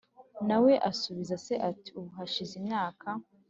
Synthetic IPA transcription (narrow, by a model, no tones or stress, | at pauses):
nawe̞ʔasuβizase̞ʔati̥uβuɦaʃizimɲaːkʰa